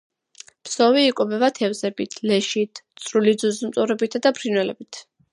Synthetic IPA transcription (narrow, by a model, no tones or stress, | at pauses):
psɔviːkʼɔbɛbat̪ʰɛvzɛbit̪ʰlɛʃit̪ʰt̪sʼɾulid̪zuzmt̪ʼuɾɛbit̪ʰad̪apʰɾinwɛlɛbit̪ʰ